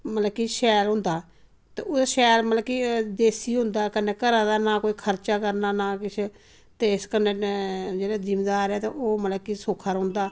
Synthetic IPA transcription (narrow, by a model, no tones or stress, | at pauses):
mələkːiːʃɛːlɦʊ̃nd̪aː | t̪eːʔʊd̪aʃɛːlmələkːiːd̪eːsiːɦʊ̃nd̪aːkənːeːkəɾãːd̪aːnaːkoːiːkʰəɾt͡ʃaːkəɾnaːnaːkɪt͡ʃʰ | t̪eːɪskənːẽːd͡ʒeːɽaːd͡ʒɪmd̪aːɾɛːt̪ḛʔoːmələkisoːkʰaːɾɦʊ̃nd̪aː